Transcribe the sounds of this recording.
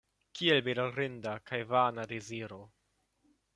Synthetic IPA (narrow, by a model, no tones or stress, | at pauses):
kʰielbeɾoɾendakajvanadeziɾo̞